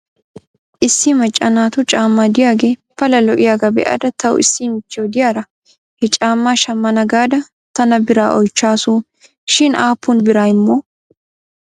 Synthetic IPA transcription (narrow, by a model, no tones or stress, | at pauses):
ʔɪsːɪmɐt͡ʃʼːɐnaːt̪ʊt͡ʃʼaːmːaːd̪ɪjaːɡeːpɐlɐlɔʔɪjaːɡɐbɛ̰ʔɐ̰d̪ɐt̪ʰɐw̰ɪ̰sːimɪt͡ʃːɪoːd̪ɪjaːɾɐ | hɛt͡ʃʼaːmːaːʃɐmːɐnɐɡaːd̪ɐ | t̪ɐnɐbɪɾa̰ːʔɔjt͡ʃːaːsu | ʃɪnaːpːʊnbɪɾaːjmːo